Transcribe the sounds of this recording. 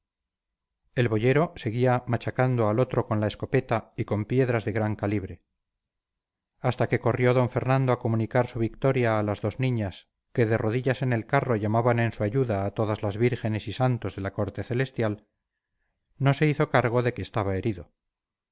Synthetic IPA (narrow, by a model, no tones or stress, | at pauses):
e̞lβo̞ʝe̞ɾo̞se̞ɣiamat͡ʃakand̪oalo̞t̪ɾo̞ko̞nlaesko̞pe̞t̪aiko̞mpje̞ðɾazðe̞ɣɾaŋkaliβɾe̞ | ast̪ake̞ko̞rjo̞ðo̞ɱfe̞ɾnãnd̪oako̞munikaɾsuβ̞ikt̪o̞ɾjaːlazðo̞znĩɲas | ke̞ðe̞ro̞ðiʎase̞ne̞lkaro̞ʝamaβane̞nsuaʝuðaːt̪o̞ðazlazβiɾxe̞ne̞sisant̪o̞zðe̞lako̞ɾt̪e̞θe̞le̞st̪jal | no̞se̞iθo̞kaɾɣ̞o̞ðe̞ke̞ːst̪aβae̞ɾiðo̞